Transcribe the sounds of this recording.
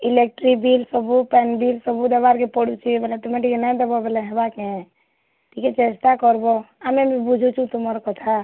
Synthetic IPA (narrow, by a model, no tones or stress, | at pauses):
ilek̚ʈɾikbilsɔbupɛnbilsɔbud̪ebaɾkepɔɽut͡ʃʰibɛlɛt̪umẽʈikenãd̪ebɔbɛlɛɦebake | ʈʰiket͡ʃest̪akɔɾboamebibud͡ʒʱut͡ʃʰũt̪uməɾkɔt̪ʰa